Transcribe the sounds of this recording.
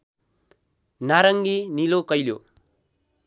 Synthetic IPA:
naɾʌŋɡinilokʌjljo

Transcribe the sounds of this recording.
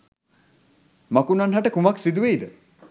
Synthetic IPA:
makunanɦaʈəkumaksid̪uʋejd̪ə

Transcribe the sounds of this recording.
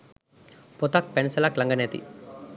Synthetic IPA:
pɔt̪ak̚pensɐlaːklɐŋɡɐneːt̪ḭ

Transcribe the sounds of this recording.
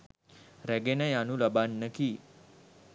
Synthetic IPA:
ɾɛɡenəjanuləbanːəki

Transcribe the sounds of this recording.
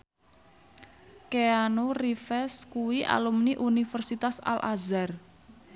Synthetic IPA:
keanorifɛskuwiʔa̰lumniʔunifərsit̪asa̰lʔa̰zar

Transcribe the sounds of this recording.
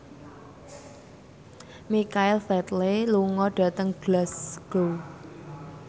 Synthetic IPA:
mikaɪlfɛt̪leluŋɔɖ̥a̤t̪əŋɡ̥lasɡ̥ow

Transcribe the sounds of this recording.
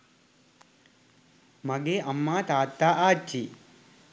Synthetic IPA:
mɐɡeʔɐmːaːt̪aːt̪ːaːʔaːt͡ʃːi

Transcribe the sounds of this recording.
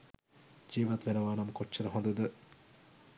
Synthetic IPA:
d͡ʒiːʋɐt̪ʋenɐʋaːnɐməkot͡ʃːt͡ʃːɐɾɐɦõnd̪ɐd̪ə

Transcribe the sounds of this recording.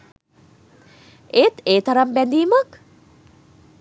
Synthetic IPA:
et̪eːt̪aɾambɛnd̪iːmək

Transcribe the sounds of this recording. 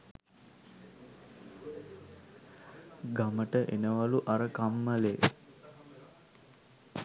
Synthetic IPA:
ɡaməʈəʔenəʋaluʔaɾəkamːəleː

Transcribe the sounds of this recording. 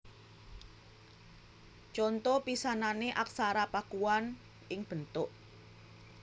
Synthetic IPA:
t͡ʃɔnt̪ɔpisananeʔaksaɾapakuwan | ʔɪŋb̥ənt̪ʊʔ

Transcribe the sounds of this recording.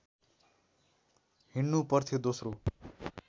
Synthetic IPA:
hinːupʌrt̪ʰid̪osro

